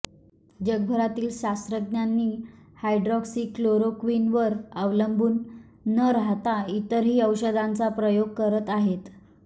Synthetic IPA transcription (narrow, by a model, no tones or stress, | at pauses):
d͡ʑəɡ̚bʱəɾat̪iːlɕast̪ɾəɡnjanːiː | hajɖɾɔksiːkloɾokʋinʋəɾəʋləmbʱuːnː | əɾaɦt̪ait̪əɾɦiːəwɕəd̪ãnt͡sapɾəjoɡ̚kəɾət̪aɦet̪